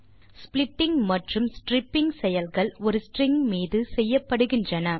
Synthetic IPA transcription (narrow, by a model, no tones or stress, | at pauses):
splɪʈːɪŋmɐʈrɯmsʈrɪpːɪŋsɛjɐlɣɐɭɔɾɯsʈrɪŋmiːðɯsɛjːɐpːɐɽɯɣɪndrɐnɐ